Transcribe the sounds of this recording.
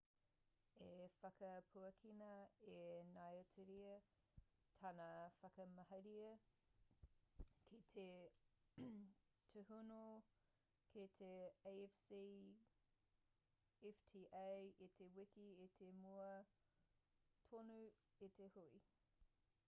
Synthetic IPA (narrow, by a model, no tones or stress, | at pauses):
efɐkɐpʰuɐkʰinɐenajətʰeɾiə | t̪ʰɐnafɐkɐmɐɦɐɾiɐ | kʰit̪ʰe | tʰuhuno | kʰit̪ʰeefsi | ɛftʰiːʔejit̪ʰewikiit̪ʰemuɐ | tʰonu | it̪ʰehui